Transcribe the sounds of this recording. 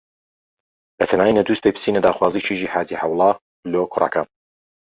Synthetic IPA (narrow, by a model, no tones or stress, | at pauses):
bɐt̪ʰɐnaːninɐd̪uːst̪̚pʰejpʰɨ̥sinɐd̪aːxwaːziːt͡ʃʰiʒiːħaːd̪iħawlˠɑ | blokʰʊrˤa̰ka̰